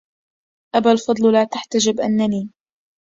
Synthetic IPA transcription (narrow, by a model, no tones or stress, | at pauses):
ʔabalfɑd̪ˤllaːt̪aħt̪ad͡ʒɪbʔanːaniː